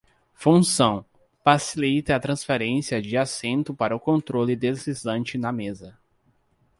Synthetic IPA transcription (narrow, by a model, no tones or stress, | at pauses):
fũsɐ̃w̃ | fasilit̪ɐɐt̪ɾɐ̃sfeɾẽsiɐd͡ʒɪasẽnt̪ʊpaɾɐʊkõnt̪ɾolɪd̪ezizɐ̃nt͡ʃɪnɐmezɐ